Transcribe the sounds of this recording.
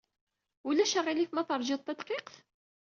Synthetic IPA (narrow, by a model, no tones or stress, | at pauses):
ulæʃəʁilikmæθəɾˤʒɪðˤt̪ːæd̪qeqθ